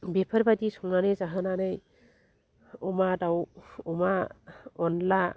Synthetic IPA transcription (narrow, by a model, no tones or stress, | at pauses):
bepʰaɾbadisɔŋnanɯjzaɦananɯj | ɔmadawɔmaɔnla